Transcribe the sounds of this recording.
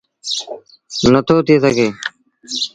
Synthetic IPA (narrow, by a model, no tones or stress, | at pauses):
nət̪ʰoːt̪isəɡeː